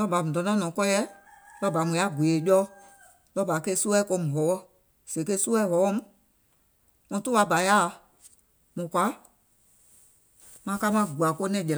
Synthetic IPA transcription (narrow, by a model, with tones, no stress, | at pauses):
lɔ˦˨ba˨mũ˨dɔ̃˨˦nã˦nɔ̃˨kɔ˦jɛ˦lɔ˦ba˨mũ˨a˨˦ɡwe˨e˨jɔ˦ | lɔ˦ba˨ke˧˦su˦ɛ˦ko˧mũ˨ɦɔ˨˦wɔ˦ | se˨ke˦su˦ɛ˦ɦɔ˨˦wɔ˦mũ˦ | mɔ̃˧tu˦a˧˦ba˨˦ja˦˨˧ | mɔ̃˨kwa˨˦ | mã˧˦ka˦mã˦˨ɡu˨a˨ko˦nɛ̃˦˨d͡ʒɛ˨l